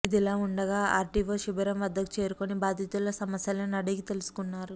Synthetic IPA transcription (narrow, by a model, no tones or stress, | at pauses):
id̪ilaːuɳɖɐɡaːʔaːɾʈiʋoːʃibɐɾɐmʋɐd̪ːɐki̥t͡ʃe̞ːɾukonibaːd̪ʱit̪ulɐsɐmɐsjɐlɐnɐɽiɡit̪e̞lusu̥kunːaːɾu